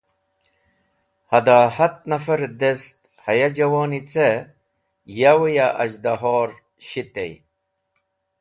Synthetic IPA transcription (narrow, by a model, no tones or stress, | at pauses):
hɐd̪aːhɐt̪̚nɐfɐɾd̪est̪̚ | hɐjad͡ʑɐwoːnit͡se | jawujaʔɐ̰d͡ʑd̪aɦoːɾ | ɕit̪ḛj